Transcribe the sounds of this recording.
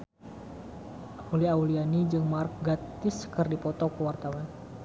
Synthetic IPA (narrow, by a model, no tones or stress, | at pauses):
auliaulianid͡ʒɨŋmark̚ɡat̪ɪskɨrdipɔt̪ɔkəwart̪awan